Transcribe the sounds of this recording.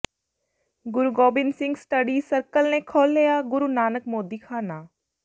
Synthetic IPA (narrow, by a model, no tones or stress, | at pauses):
ɡʊɾuɡoːbɪnsɪ̃ŋɡsʈəɖiːsəɾkəlneːkʰoːlːejaːɡʊɾuːnaːnəkmoːd̪iːkʰaːnaː